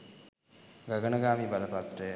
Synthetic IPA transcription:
ɡaɡənəɡaːmibaləpat̪rəjə

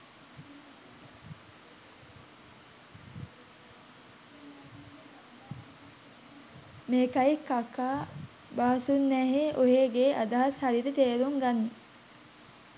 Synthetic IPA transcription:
meːkajekːakːaː | baɦɐsunːæːɦeʔoɦeːɡeʔad̪aɦashaɾid̪ət̪eːɾuŋɡanːu

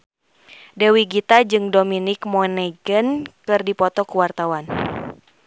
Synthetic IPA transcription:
dɛwiɡit̪ad͡ʒɨŋdominikmɔnɛɡənkɨrdipɔt̪ɔkuwart̪awan

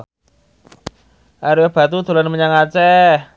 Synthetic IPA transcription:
ʔaɾuab̥a̤t̪ud̪̥o̤lanməɲaŋat͡ʃɛ

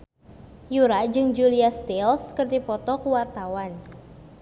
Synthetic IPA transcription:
juɾad͡ʒɨŋd͡ʒuliast̪ilskərd̪ipɔt̪ɔkuwart̪awan

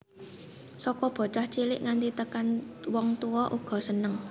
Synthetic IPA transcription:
sɔkɔb̥ɔ̤t͡ʃaht͡ʃilɪʔŋant̪it̪əkanwɔŋt̪uwɔʔuɡ̥ɔ̤sənəŋ

